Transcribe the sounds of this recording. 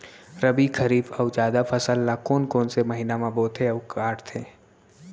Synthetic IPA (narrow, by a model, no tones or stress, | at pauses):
ɾəbikʰəɾiːfɐʊd͡ʒaːd̪apʰəsəlːaːkoːnkoːnsemɐɦiːnamãboːt̪ʰeɐwkaːʈt̪ʰeː